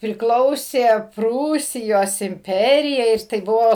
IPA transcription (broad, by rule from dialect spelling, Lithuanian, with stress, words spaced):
pʲrʲɪˈklˠɐʊsʲeː ˈpruːsʲɪjoːs ɪmʲˈpʲæːrʲɪjɛɪ ɪr tɐɪ ˈbʊʋoː